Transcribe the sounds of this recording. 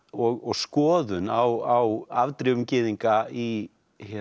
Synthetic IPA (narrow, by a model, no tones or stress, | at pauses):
ɔɣɔɣskɔːðʏnawawavt̪ɾʏwʏmcɪːðiŋkai | hɛ